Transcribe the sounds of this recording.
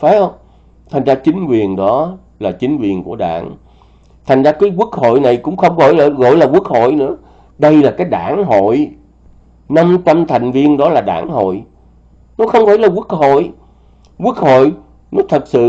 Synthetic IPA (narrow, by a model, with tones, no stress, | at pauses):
fa˨˦hə˧wŋ͡m | t̪ʰa˨˩jŋ̟zaː˧t͡ɕï˨˦ŋ̟kwi˨˩ənɗɔ˨˦ | laː˨˩t͡ɕï˨˦ŋ̟kwi˨˩ənku˧˩əɗa̰ː˧˩ŋ | t̪ʰa˨˩jŋ̟zaː˧kaː˨˦jku˦˥ək̚ho̰˧˨jna˨˩jkʊ̰˧˥ŋ͡mxə˧wŋ͡mɣɔ̰˧˨jlɣɔ̰˧˨jlaː˨˩kwu˦˥ək̚ho̰˧˨jnɨ̰˧˥ə | ɗə˧jlaː˨˩kaː˨˦jɗa̰ː˧˩nɦo̰˧˨j | na˧mt͡ɕa˧mt̪ʰa˨˩jŋ̟vi˧ənɗɔ˨˦laː˨˩ɗa̰ː˧˩ŋho̰˧˨j | nɔ˨˦xə˧wŋ͡mfaː˧˩jlaː˨˩ku˦˥ək̚ho̰˧˨j | kwu˦˥ək̚ho̰˧˨j | nɔ˨˦t̪ʰə˨˩t̚sɨ̰˧˨